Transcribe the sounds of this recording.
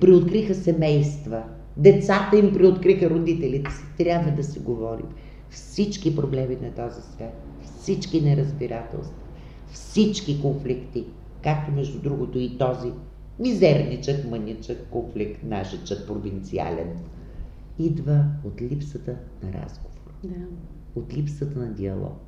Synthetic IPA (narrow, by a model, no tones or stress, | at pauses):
pɾiot̪kɾixəsɛmɛjst̪və | d̪ɛt̪sat̪əimpɾiot̪kɾixəɾod̪it̪ɛlit̪si̥t̪ɾʲabvəd̪ɐsiɡovɔɾḭm | fsit͡ʃkipɾoblɛminɐt̪ɔzisvʲat̪ | fsit͡ʃkinɛɾəzbiɾʔat̪ɛ̰lˠst̪vɐ | fsit͡ʃkikonflikt̪i | kak̚t̪omɛʒd̪ud̪ɾuɡot̪ʊit̪ɔzi | nʲizɛɾnʲit͡ʃəkmɤnʲit͡ʃəkːonflikt̪naʃɛt͡ʃək̚pɾovint̪sia̰lʲɛ̰n | id̪vəot̪lʲipsət̪ə | nɐɾa̰zɡovoɾ | ot̪lʲipsət̪ənɐd̪iɐlˠɔ̰k